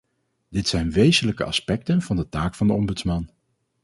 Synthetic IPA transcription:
d̥ɪtsɛjnʋejzənləkə̰ʔɑ̰spɛk̚tənv̥ɑndətaːkfɑndəɔmbɵtsmɑn

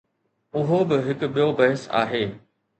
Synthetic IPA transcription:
ʊɦobɪɦɪkʊ̆ɓijobɐɦəsa̰ːɦeː

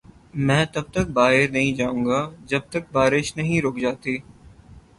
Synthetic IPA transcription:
mɛ̃ːt̪ɐb̚t̪ɐk̚baːɦɪɾnɐɦĩd͡ʒaːũːɡaːd͡ʒɐb̚t̪ək̚baːɾɪʃnɐɦĩɾoːkd͡ʒaːt̪iː

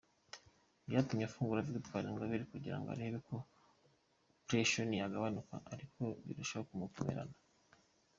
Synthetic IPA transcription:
jatumɲafuːŋɡuɾavɡutkwaːɾiŋɡaβiɾikuɟiɾa̰ŋɡoa̰ɾeːβeko̞ | pɾeʃonijaɡaβanuka̰ʔaɾikʰo̞βḭɾuʃaβakumukomḛɾa̰na

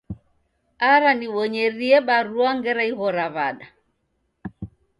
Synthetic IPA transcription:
aɾaniwɔɲɛɾiɛɓaɾuaŋɡɛɾaiɣɔɾaβaɗa

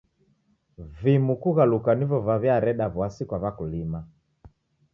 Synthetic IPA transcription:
vimukuɣalukanivɔvavjaɾɛɗavwasikwavakulima

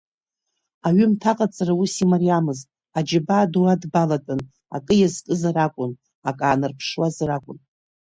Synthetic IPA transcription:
aɥʏmtʰaqʼat͡sʼarausimariamɨztʼ | ad͡ʒɪbaːduwadbalatʼɨn | a̰kʼɨjazkʼɨzaɾakʷʼʊn | akʼaːnɨrpʰʂwazrakʷʼʊn

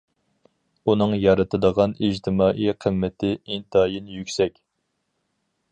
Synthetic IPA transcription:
unɨŋjɑɾɨt̪ʰɨd̪əʁɑnid͡ʒt̪ʰɪmɑːʔijqʰəmːɪt̪ʰɪint̪ɑːjinjykʲsɛkʲ

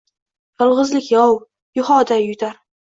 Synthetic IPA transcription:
jɒlˠʁɨzlɪkʲjɒw | jʊhɒd̪ajʊt̪ʰaɾ

